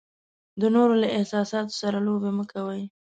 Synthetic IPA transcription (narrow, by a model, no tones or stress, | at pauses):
d̪ənoɾolaɪhsɑsɑt̪o̥saɾalobeməkʰawəj